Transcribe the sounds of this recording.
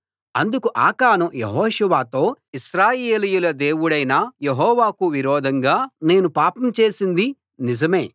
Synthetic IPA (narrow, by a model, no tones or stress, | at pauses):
ɐnd̪ukuʔa̰ːkaːnɐjḛɦɔːʃuʋaːt̪o̞ː | iʃɾaːjeːlijulɐd̪e̞ːwuɽɐjnɐjeɦɔːʋaːkuʋiɾɔːd̪ʱɐŋɡaːne̞ːnupaːpɐmt͡ʃe̞ːsind̪i | nid͡ʒɐme̞ː